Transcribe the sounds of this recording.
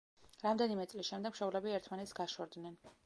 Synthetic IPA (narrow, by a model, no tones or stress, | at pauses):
ɾamd̪ɛnimɛt̪sʼlisʃɛmd̪ɛɡmʃɔvlɛbiɛɾt̪ʰmanɛt̪sɡaʃɔɾd̪nɛn